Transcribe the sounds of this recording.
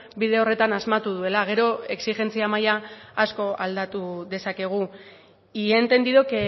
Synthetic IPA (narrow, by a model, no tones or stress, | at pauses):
biðe̞o̞re̞t̪anazmat̪uð̞ue̞laɣ̞e̞ɾo̞e̞ksixe̞nt͡siamajaasko̞ald̪at̪uðe̞sake̞ɣ̞u | ient̪e̞nd̪iðo̞ke